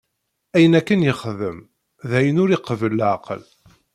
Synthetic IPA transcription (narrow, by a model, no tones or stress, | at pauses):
æjənækːənjəχðəm | ðæjənʊɾiqəvəlʕaqə̰l